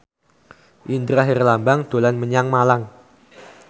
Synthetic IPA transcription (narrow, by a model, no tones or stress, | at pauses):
ʔind̪ɾaɦerlambaŋd̪̥o̤lanməɲaŋmalaŋ